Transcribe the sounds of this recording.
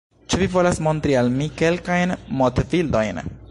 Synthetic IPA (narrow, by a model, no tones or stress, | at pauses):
t͡ʃevivo̞lasmo̞nt̪ɾialmike̞lkajnmot̪vild̪o̞jn